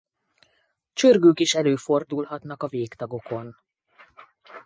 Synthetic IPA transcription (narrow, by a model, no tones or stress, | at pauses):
t͡ʃørɡøːkiʃɛløːfo̞rd̪ulɦɒt̪nɒkɒveːkt̪ɒɡo̞ko̞n